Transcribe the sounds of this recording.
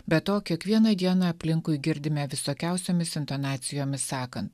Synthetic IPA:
bʲɛt̪oːkʲiɛkʋʲiɛnɐd̪ʲiɛnɐɐpʲlʲɪŋkʊɪɡʲɪɾʲd̪ʲɪmʲɛʋʲɪsoːkʲɛʊsʲoːmʲɪsɪnt̪oːnɑːt̪sʲɪjoːmʲɪsːɑːkɐnt̪

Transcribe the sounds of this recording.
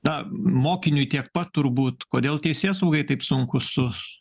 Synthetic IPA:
nɐmoːkʲɪnʲʊjt̪ʲiɛkpɐt̪tʊrbuːt̪koːd̪ʲeːlˠt̪ʲɛɪsʲeːsɐʊɡɐɪt̪ɐɪpsʊŋkʊsʊs

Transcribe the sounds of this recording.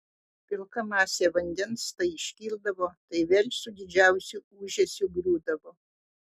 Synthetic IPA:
pʲɪlˠkɐmɑːsʲeʋɐnʲd̪ʲɛnst̪ɐɪɪʃʲkʲiːlʲˠd̪ɐʋoːt̪ɐɪʋʲeːlʲsʊd̪ʲɪd͡ʒʲæˑʊsʲuuːʒʲɛsʲʊɡɾʲuːd̪ɐʋoː

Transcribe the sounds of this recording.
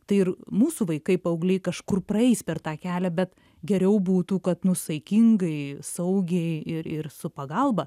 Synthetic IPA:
t̪ɐɪɪɾmuːsuʋɐɪkɐɪpɐɐʊɡlʲɛɪkɐʃkʊrprɐɛɪspʲɛrt̪ɑːkʲæːlʲɛbʲɛt̪ | ɡʲɛɾʲɛʊbuːt̪ukɐt̪nʊsɐɪkʲiŋɡɐɪsɐʊɡʲɛɪɪɾɪɾsʊpɐɡɐlˠbɐ

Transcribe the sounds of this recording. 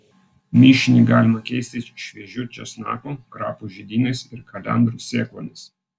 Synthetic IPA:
mʲɪʃʲɪnʲiɡɑːlʲɪmɐkʲɛɪsʲt̪ʲɪʃʲʋʲiɛʒʲʊt͡ʃʲɛsnɑ̰ːkoːkɾɑ̰ːpuʒʲid̪ʲiːnɐɪsɪɾkɐlʲɛ̰nd̪ɾʊsʲeːklˠoːnʲɪs

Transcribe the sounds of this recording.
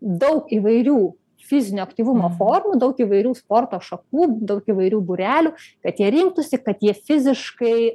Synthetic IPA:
d̪ɐʊkiːʋɐɪɾʲuː | fʲɪzʲɪnʲuɐkt̪ʲiːʋʊmoːfoːrmud̪ɐʊkiːʋɐɪɾʲuːspoːrt̪oːʃɐkuːd̪ɐʊkiːʋɐɪɾʲuːbuɾʲæːlʲuːkɐt̪jiɛɾʲɪŋk̚t̪ʊsʲɪkɐt̪jiɛfʲɪzʲɪʃkɐɪ

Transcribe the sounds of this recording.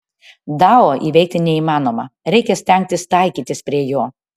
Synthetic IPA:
d̪ɑːoːʔiːʋʲɛɪk̚t̪ʲɪnʲɛiːmɑːnoːmɐɾʲɛɪkʲɛsʲt̪ʲɛŋʲk̚t̪ʲɪst̪ɐɪkʲiːt̪ʲɪspʲɾʲiɛjoː

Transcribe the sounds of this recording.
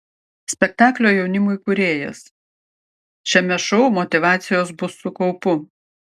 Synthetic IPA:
sʲpʲɛk̚t̪ɑːklʲoːjɛʊnʲɪmʊɪkʊɾʲeːjɛ̰s | t͡ʃʲɛmʲɛʃɔʊmɔt̪ʲɪʋɑːt̪sʲɪjoːs̬bʊsːʊkɔʊpʊ

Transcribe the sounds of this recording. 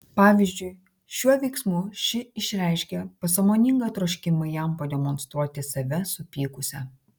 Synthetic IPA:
pɑːʋʲɪzʲd͡ʒʲʊɪ | ʃʲuɔʋʲɛɪksmʊʃʲɪɪʃʲɾʲɛˑɪʃʲkʲɛpɐsɐmoːnʲɪŋɡɐt̪ɾoːʃʲkʲɪmɐjɛmpɐd̪ʲɛmɔnst̪ɾuɔt̪ʲɪsɐʋʲɛsʊpʲiːkʊsʲɛ

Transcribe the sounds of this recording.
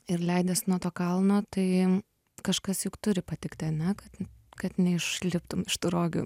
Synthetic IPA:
ɪɾlʲɛɪd̪ʲɐsnuɔt̪oːkɐlˠnoːt̪ɐɪ | kɐʃkɐsjʊkt̪ʊɾʲɪpɐt̪ʲɪkt̪ʲɪɐnʲɛkɐt̪kɐt̪nʲɛɪʃlʲɪpt̪ʊmɪʃt̪uːɾoːɡʲʊ̰

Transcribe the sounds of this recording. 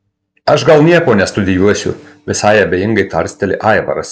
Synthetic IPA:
ɐʃɡɐlˠnʲiɛkoːnʲɛst̪ʊd̪ʲɪjuɔsʲʊ̰ʋʲɪsɑɪɐbʲejɪŋɡɐɪt̪ɐɾʲsʲt̪ʲɛlʲɪ̰ʔɑˑɪʋɐ̰ɾɐs

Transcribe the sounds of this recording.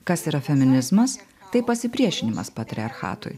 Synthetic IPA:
kɐsiːɾɐfʲɛmʲɪnʲɪzmɐs | t̪ɐɪpɐsʲɪpʲɾʲiɛʃʲɪnʲɪmɐ̰spɐt̪ʲɾʲɪɐɾxɑ̰ːt̪ʊ̰j

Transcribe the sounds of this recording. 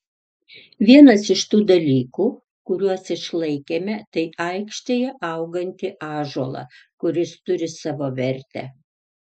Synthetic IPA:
ʋʲiɛnɐsɪʃt̪uːd̪ɐlʲiːkuː | kʊɾʲuɔsɪʃlˠɐɪkʲeːmʲɛt̪ɐɪʔɐɪkʃʲt̪ʲejɛʔɐʊɡɐnʲt̪ʲɪʔɑːʒuɔlˠɑ̰kʊɾʲɪst̪ʊɾʲɪsɑːʋoːʋʲɛɾʲt̪ʲɛ̰

